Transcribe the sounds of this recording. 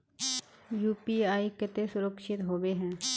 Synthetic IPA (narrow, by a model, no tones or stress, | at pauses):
juːpiːaːikɪt̪esʊɾəkʃɪt̪ɦoːʋeɦɛ̃ː